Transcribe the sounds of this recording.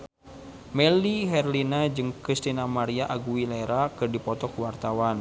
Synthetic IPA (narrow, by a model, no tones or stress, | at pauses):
mɛliɦɛrlinad͡ʒɨŋkɾist̪inamaɾiaʔaɡuwilɛɾakɨrdipɔt̪ɔkuwart̪awan